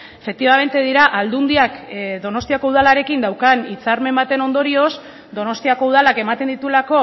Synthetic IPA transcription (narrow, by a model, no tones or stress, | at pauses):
efe̞k̚t̪iβame̞nt̪e̞ðiɾaʔald̪und̪iakðo̞no̞st̪iako̞uð̞alaɾe̞kind̪awkanit͡saɾme̞mbat̪e̞no̞nd̪o̞ɾio̞s | d̪o̞no̞st̪iako̞uð̞alake̞mat̪e̞nd̪it̪ulako̞